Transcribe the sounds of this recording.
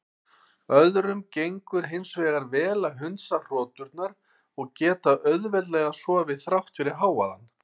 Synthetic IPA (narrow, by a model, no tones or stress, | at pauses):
œðɾʏmcejŋkʏɾ̥ɦɪnsvɛːɣaɾvɛːlaɦʏnt̪sar̥ɔːt̪ʏɾt̪naɾ | ɔɣcɛːt̪aʔœɥðvɛt̪lɛːɣasɔːvɪðθɾaht̪fɪɾɪɾ̥ɦaːwa̰ða̰n